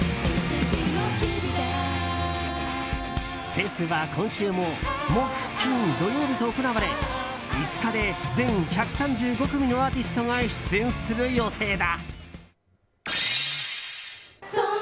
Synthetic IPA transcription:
t̪ʰe̞ːsɨβakʰõ̞ɰ̃ɕɨːmo̞moɸɯ̟̥kʲĩnd̪o̞joːbʲit̪oːkonaβaɾe̞ | it͡sɨ̥kad̪e̞d͡zẽ̞ŋçakɯ̟̥sãɲd͡ʑɨːɡo̞kɯ̟mʲino̞aːt̪ʲisɨ̥t̪o̞ŋaɕi̥t͡sɨẽ̞ɰ̃sɨɾɯ̟jo̞t̪ʰe̞ːd̪a

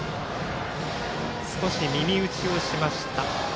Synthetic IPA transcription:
sɨ̥ko̞ɕimʲimʲiɯ̟t͡ɕio̞ɕimaɕi̥t̪a

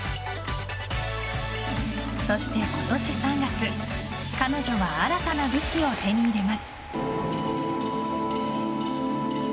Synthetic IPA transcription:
so̞ɕi̥t̪e̞ko̞t̪o̞ɕisãŋɡakɯ̟ | kano̞ʑo̞βaaɾat̪anaɡɯ̟kʲio̞t̪e̞ɲ̟id̪e̞masɨ̥

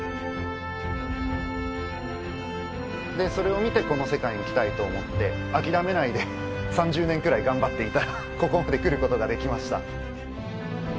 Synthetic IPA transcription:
d̪e̞so̞ɾe̞o̞mʲit̪e̞ko̞no̞se̞kaiɲ̟ikʲi̥t̪ait̪o̞ːmot̪ːe̞ | akʲiɾame̞naid̪e̞ | sãɲ̟d͡ʑɨːnẽŋkɯ̟ɾaiɡãmbat̪ːe̞it̪aɾa | ko̞ko̞md̪e̞kɯ̟ɾɯ̟ko̞t̪o̞ɡad̪e̞kʲimaɕi̥t̪a̰

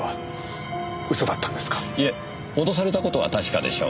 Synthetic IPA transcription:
βa | ɯ̟so̞d̪at̪ːãnd̪esɨ̥kḁie | od̪o̞s̬aɾe̞t̪ako̞t̪o̞βa̰t̪aɕi̥ka̰d̪e̞̰ɕo̞̰ː

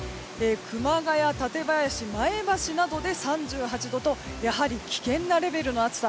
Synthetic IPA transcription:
eːkʰɯ̟maɡajat̪at̪e̞bajaɕimae̞baɕinad̪o̞d̪e̞sãɲd͡ʑɨːɦat͡ɕid̪o̞t̪o̞jaɦaɾʲikʲi̥kẽ̞nːaɾe̞be̞ɾɯ̟no̞at͡sɨ̥t̪a

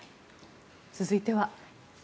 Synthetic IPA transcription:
t͡sɨzɨit̪e̞βa

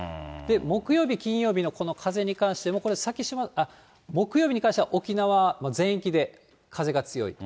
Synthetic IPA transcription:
d̪̥e̞mo̞kɯ̟jo̞ːbʲikʲĩɰ̃jo̞ːbʲino̞ko̞no̞kʰaze̞ɲ̟ikãɰ̃ɕi̥t̪e̞mo̞ko̞ɾe̞sakʲiɕimaa | mo̞kɯ̟joːbiɲ̟ikãɕit̪eβaʔo̞kʲinaβamozẽ̞kʲid̪e̞ | kʰaze̞ɡat͡sɨjo̞̰ḭ

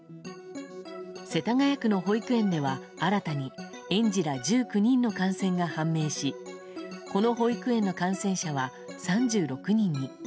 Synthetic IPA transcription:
se̞t̪aŋajakɯ̟no̞ɦo̞ikɯ̟ẽ̞nd̪e̞βa | aɾat̪aɲ̟i | ẽ̞ɲ̟d͡ʑiɾad͡ʑɨːkɯ̟ɲ̟ĩnːo̞kãɰ̃sẽ̞ŋɡahãmːe̞ːɕi | ko̞no̞ho̞ikɯ̟ẽ̞nːo̞kãɰ̃sẽ̞ɰ̃ɕaβa | sãɲd͡ʑɨːɾo̞kɯ̟ɲ̟ĩɲ̟ːi

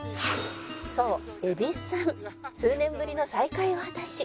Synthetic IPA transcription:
so̞ːe̞bʲissãŋsɨːnẽ̞mbɯɾʲino̞saikaiohat̪aɕi

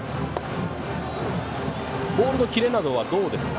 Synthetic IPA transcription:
bo̞ːɾɯ̟no̞kʲiɾe̞nad̪o̞β̞ad̪o̞ːd̪e̞sɨ̥

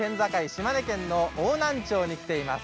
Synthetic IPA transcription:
ẽ̞nd͡zakaiɕimane̞kẽ̞nːo̞oːnãɲt͡ɕo̞ːɲ̟ikʲi̥t̪e̞imasɨ̥

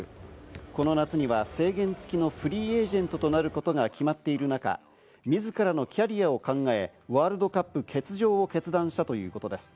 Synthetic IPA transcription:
ko̞no̞nat͡sɨɲ̟iβase̞ːɡẽ̞nt͡sɨ̥kʲino̞ɸɯ̟ɾʲiːe̞ːʑẽ̞nt̪o̞t̪o̞naɾɯ̟ko̞t̪o̞ɡakʲimat̪ːe̞iɾɯ̟naka̰ | mʲizɨkaɾano̞kʲaɾʲijao̞kãŋɡae̞βaːɾɯ̟d̪o̞kapːɯ̟kʰe̞t͡sɨʑo̞ːoke̞t͡sɨd̪ãɰ̃ɕi̥t̪at̪o̞jɯ̟ːko̞t̪o̞d̪e̞sɨ̥

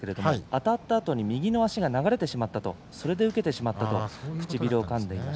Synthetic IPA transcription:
keɾe̞d̪o̞moat̪at̪ːaːt̪o̞ɲ̟imʲiɡʲino̞aɕiɡanaɡaɾe̞t̪e̞ɕimat̪ːat̪o̞̰ | so̞ɾe̞d̪e̞ɯ̟ke̞t̪e̞ɕimat̪ːat̪o̞̰kɯ̟̥t͡ɕibʲiɾoːkãnd̪e̞imaɕ

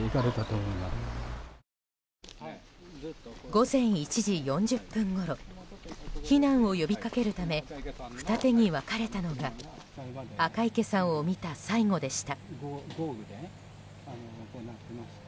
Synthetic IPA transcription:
ikaɾet̪at̪omoima | ɡo̞zẽ̞ɰ̃it͡ɕiʑijõ̞ɲd͡ʑɨpːɯ̟̃ŋɡo̞ɾo̞ | çinãɰ̃o̞jo̞bʲikake̞ɾɯ̟t̪ame̞ɸɯ̟̥t̪at̪e̞ɲ̟iβakaɾe̞t̪ano̞ɡa | akaike̞sãɰ̃o̞mʲit̪asaiŋo̞d̪e̞ɕi̥t̪aɡ

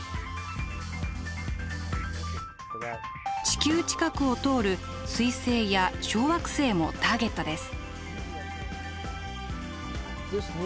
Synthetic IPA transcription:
t͡ɕi̥kʲɨːt͡ɕi̥kakɯ̟o̞t̪o̞ːɾɯ̟ | sɨise̞ːjaɕo̞ːβakɯ̟̥se̞ːmo̞̰t̪aːɡe̞t̪ːo̞d̪e̞sɨ̥

